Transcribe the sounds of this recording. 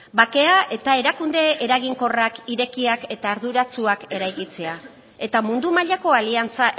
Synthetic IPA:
bake̞aʔe̞t̪ae̞ɾakund̪e̞eɾaɣiŋko̞rakiɾe̞kiake̞t̪aːɾðuɾat͡suake̞ɾajkit͡se̞a | e̞t̪amund̪umaʎako̞aliant͡sa

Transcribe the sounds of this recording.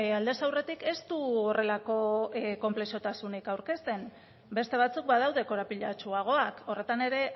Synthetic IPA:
ald̪e̞sawre̞t̪ike̞st̪uore̞lako̞ko̞mple̞ʃo̞t̪asunikawɾke̞st̪e̞n | be̞st̪e̞β̞at͡suk̚bað̞awðe̞ko̞ɾapiʎat͡ʃuaɣ̞o̞ako̞re̞t̪ane̞ɾe̞

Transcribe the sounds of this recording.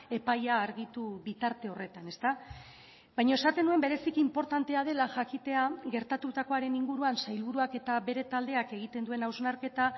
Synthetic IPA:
e̞pajaːɾɣit̪uβit̪aɾt̪e̞o̞re̞t̪ane̞st̪a | bajɲae̞sat̪e̞nue̞mbe̞ɾe̞sikimpo̞ɾt̪ant̪e̞að̞e̞laʝakit̪e̞aɣe̞ɾt̪at̪ut̪ako̞aɾe̞niŋɡuɾuansajlβuɾuake̞t̪aβe̞ɾe̞t̪ald̪e̞ake̞ɣ̞it̪e̞nd̪ue̞nawznaɾke̞t̪a

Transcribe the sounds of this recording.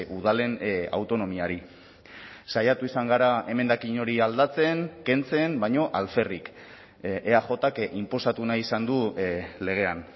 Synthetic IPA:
uð̞ale̞na̰wt̪o̞no̞miaɾi | sajat̪uisaŋɡaɾae̞me̞nd̪akiɲo̞ɾiald̪at͡se̞ŋke̞nt͡se̞nbajɲo̞ʔalfe̞rik | eaχo̞t̪akimpo̞sat̪unaisand̪ule̞ɣ̞e̞an

